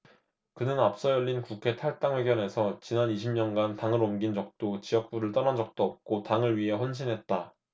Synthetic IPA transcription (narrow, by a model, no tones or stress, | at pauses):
kɯnɯnap̚s͈ʌjʌʎːinkukʰe̞tʰaɭt͈aŋwe̞ɡjʌnɦe̞sʰʌt͡ɕinaniɕʰimɲʌnɡantaŋɯɾomɡind͡ʑʌk̚t͈ot͡ɕiʌk̚p͈uɾɯɭt͈ʌnad͡ʑʌk̚t͈oʌp̚k͈otaŋɯɭɥiɦe̞ɸwʌnɕ̬ʰinɦe̞t̚t͈a